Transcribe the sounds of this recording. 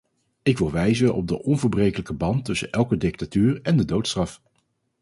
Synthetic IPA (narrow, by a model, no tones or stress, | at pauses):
ɪkʋɪlˠʋɛjzənɔ̰b̚dəʔɔnvəɹbrejkələkəbɑntːɵsə̰nʔɛlˠkədɪk̚tatyːrɛndədowtstrɑf